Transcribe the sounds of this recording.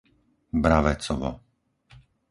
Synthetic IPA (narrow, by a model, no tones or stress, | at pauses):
bɾaʋɛt͡sɔʋɔ̰